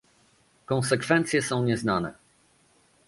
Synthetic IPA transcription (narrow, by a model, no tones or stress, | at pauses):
kɔ̃ñsɛkfɛnt̪sʲjɛsɔ̃w̃ɲɛznanɛ̰